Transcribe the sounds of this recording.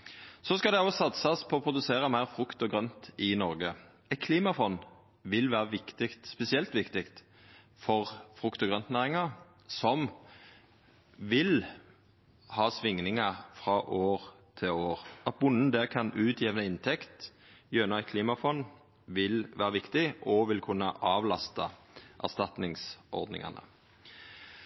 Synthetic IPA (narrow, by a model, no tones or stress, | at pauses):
sɔskɑld̪ɛoːsɑt̪sɑspʰɔːpʰʁʊd̪ʉseːʁəmæɪʁfʁʉkt̪ɔɡʁœnt̪ɪnɔʁɡə | ɛɪt̪kʰliːmɑfɔn | ʋɪlʋæːʁəʋɪkt̪ɪkt̪spɛsɪɛlt̪ʋɪkt̪ɪkt̪ | fɔʁfʁʉkt̪ɔɡʁœnt̪næːʁɪŋɑ | sɔm | ʋɪl | hɑːsʋɪŋnɪŋɑfʁɑʔoːʁ | t̪ʰɪloːʁɑt̪̚bʊnːn̩d̪ɛːkʰɑnʔʉːt̪ʰjeːʋənəɪnt̪ʰɛkt̪ | jøːnɑɪkʰliːmɑfɔn | ʋɪlʋæ̰ːʁəʋɪkt̪ɪʔɔʋɪlkʰʉnːəʔɑːʋlɑst̪ə | ʔæ̰ʁst̪ɑt̪nɪŋsʔɔ̰ʁd̪nɪ̰ŋɑ̰nə̰